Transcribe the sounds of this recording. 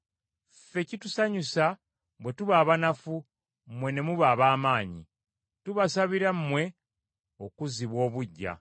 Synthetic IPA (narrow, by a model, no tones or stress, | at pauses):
fe̞citusaɲusa | bwe̞tuβaːβanafu | mmwe̞ne̞muβaːβaːmaːɲḭ | tuβasaβiɾammwe̞ | okuziβwo̞ːβuɟːa̰